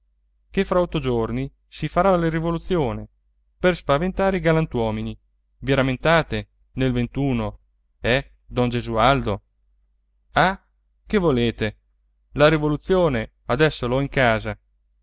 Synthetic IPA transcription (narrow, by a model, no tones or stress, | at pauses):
kefɾaɔt̪ːod͡ʒorni | sifaɾalerivolut̪sːjoːne | perspavent̪aːɾeiɡalant̪wɔːmini | viɾament̪aːt̪e | nelvent̪uːno | ɛ | d̪ɔnd͡ʒezuald̪o | a | kevoleːt̪e | laɾivolut̪sːjoːne | ad̪ɛsːolɔiŋkaːza